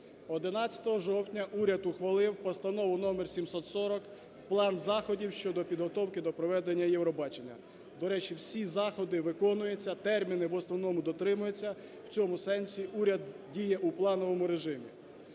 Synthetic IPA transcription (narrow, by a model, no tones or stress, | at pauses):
ɔd̪ɪnɑt͡sʲɐ̥t̪ɔɦɔʒɔwtʲnʲɐʔuɾʲɐd̪ʊxʋɐlˠɪwpɔst̪ɐnɔʋʊnɔmersʲimsɔt̪sɔɾɔk | plˠɑnzɑxɔdʲiwʃt͡ʃɔd̪ɔpʲid̪ɦɔt̪ɔwkɪd̪ɔpɾɔʋɛd̪enʲːɐjɛwɾɔbɑt͡ʃenʲːɐ̰ | d̪ɔɾɛt͡ʃiwsʲizɑxɔd̪ɪʋɪkɔnʊjet͡sʲːɐt̪ɛrmʲinɪʋɔsnɔwnɔmʊd̪ɔt̪ɾɪmʊjet͡sʲːɐ | w̥t͡sʲɔmʊsɛnsʲiʔuɾʲɐd̪dʲijɛʔuplˠɑnɔʋɔmʊɾeʒɪmʲḭ